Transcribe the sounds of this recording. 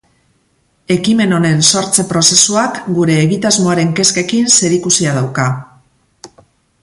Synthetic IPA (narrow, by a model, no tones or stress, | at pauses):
e̞kime̞no̞ne̞nso̞ɾt͡se̞pɾo̞se̞suakɡuɾe̞ːɣit̪azmoaɾe̞ŋke̞ske̞kinse̞ɾikusiað̞awka